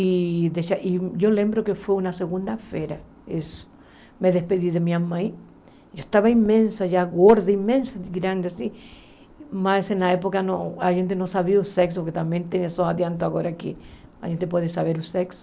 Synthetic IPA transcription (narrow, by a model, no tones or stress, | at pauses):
iðeʃaʔiʝolembɾokefweunaseɣund̪afeɾa | es | meðespeðiðemiamãj | d͡ʒoest̪aβaimmẽnsaʝaɣoɾðeimẽnsaɡɾand̪easi | masenlaepokanoaʝent̪enosaβiausekspoɾket̪ambjent̪jenesoaðjant̪oaɣoɾakia̰ʝent̪ep̬weðesaβeɾuseks